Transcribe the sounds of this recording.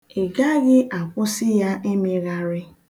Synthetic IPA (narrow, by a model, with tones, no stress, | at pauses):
e˨ɡa˦ɣɪ˦ʔa˨kʷʊ˦sɪ˦ja˦ʔe˦me˨ɣa˦ɾɪ˦